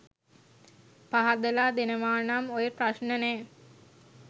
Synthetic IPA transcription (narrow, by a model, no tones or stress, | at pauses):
paɦad̪əlaːd̪enəʋaːnamojepraʃnəneː